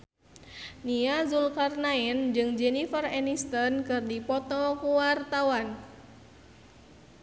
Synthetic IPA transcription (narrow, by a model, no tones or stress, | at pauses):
niazulkarnaɛnd͡ʒɨŋd͡ʒɛnifərɛnist̪ənkɨrdipɔt̪ɔkuwart̪awan